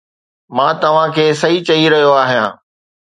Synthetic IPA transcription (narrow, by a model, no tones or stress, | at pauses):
mãːt̪ɐʋ̤ãkʰeːsɐit͡ɕɐiɾɐɦijoaːɦijãː